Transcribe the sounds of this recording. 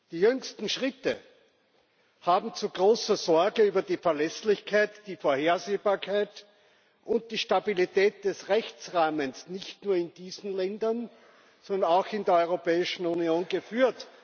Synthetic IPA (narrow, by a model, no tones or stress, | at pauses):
d̥iːjʏŋstn̩ʃʁɪtə̰ | haːbm̩t͡suɡʁoːsɐzɔɐɡəyːbɐdiːfɛɐlɛslɪçkʰaɪtd̥iːfoːɐheːɐzeːbaːɐkʰaɪt | ʔʊnt̚d̥iːʃtabilitɛːt̚d̥ɛsʁɛçt͡sʁaːmənsnɪçtnuːɐɪndiːzn̩lɛndɐn | sɔndɐnaʊxɪndeːɐɔʏʁopɛːɪʃn̩unioːnɡəfyːɐt